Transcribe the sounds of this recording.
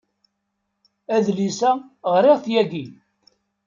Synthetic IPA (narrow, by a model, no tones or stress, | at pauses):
æðlisæʁɾiʁθjæɡi